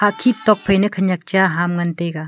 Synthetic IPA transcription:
haʔkʰip̚t̪ɔk̚pʰɐjnɯkʰɐɲak̚t͡ʃaɦamŋant̪eɡa

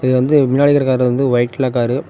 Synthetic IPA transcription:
ɪðɯʋɐnd̪ɯmɪnːaːɭɪɣɐɾɐkaːɾɯʋɐnd̪ɯʋɐɪʈːɪlaːk̬aːɾɯ

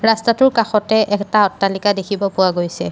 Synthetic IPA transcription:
ɹastatʊɹkaxɔtɛʔɛktaɔtːalikadekʰibɔpʊwaɡojsɛ

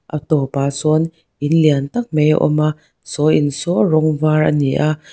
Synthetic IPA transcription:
ʔɐ̰t̪ɔpaːsɔn | ʔinliənt̪ɐk̚mejʔɔ̰ma | sɔʔinsɔrɔŋvaːɹʔɐ̰niʔa

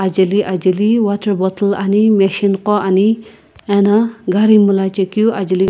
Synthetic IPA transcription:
ad͡ʒɐliʔad͡ʒɐliwatʰəɾbɔt̪lanimeʃinqɔʔani | ɛnaɡaɾimulat͡ʃekijuʔad͡ʒɐli

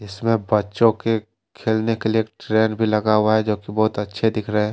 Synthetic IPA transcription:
ɪsmẽbɐtːʃõke | kʰeːlnekelieːkʈɾeːnbʱilɐɡaːʊwaɦɛd͡ʒoːkibɔːʊt̪ɐtːʃʰed̪ɪkʰɾəɦɛ̃ː

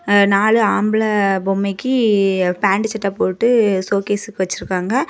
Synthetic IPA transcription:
naːɭɯaːmbɯlɐbɔmːɛɪkːɯpaːɳɖɯt͡ʃɛʈːɐpoːʈːɯsoːkeːsɯkːɯʋɐt͡ʃːɯɾɯkːaːŋɡɐ

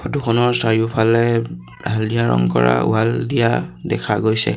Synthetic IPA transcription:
pʰɔtukʰɔnɔɹstaɹiupʰalɛ | aldijaɹɔŋkɔɹa̰aldijadɛkʰaɡojsɛ

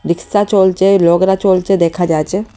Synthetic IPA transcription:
ɾiksat͡ɕɔlt͡ɕelɔɡɾat͡ɕɔlt͡ɕed̪ɛkʰad͡ʑat͡ɕʰe

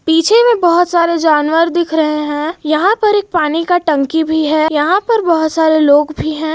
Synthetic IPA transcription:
piːt͡ʃʰemẽbɐɦʊt̪saːɾed͡ʒaːnwəɾd̪ɪkʰɾɐɦeɦɛ̃ːjɐɦãpɐɾeːk̚paːnikaʈɐ̃ŋkibʱiɦɛːjɐɦãpɐɾbɐɦʊt̪saːɾeloːɡbʱiɦɛ̃ː

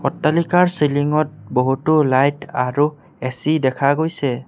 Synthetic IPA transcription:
ɔtːalikaɹsiliŋɔt̚boɦutʊlajtaɹu | ɛsidɛkʰaɡojsɛ

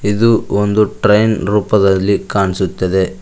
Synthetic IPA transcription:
id̪uond̪uʈɾɐjnɾuːpɐd̪ɐlːikaːɳisut̪ːɐd̪e̞

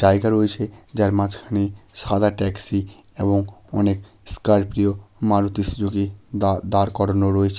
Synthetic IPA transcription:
d͡ʑaeɡaɾoet͡ɕʰed͡ʑaɾmad͡ʑkʰaneʃad̪ʱaʈɛksi | eboŋɔnek | skaɾpɾiomaɾut̪isd͡ʑoɡed̪aɾkɔɾonoɾoet͡ɕʰe̥

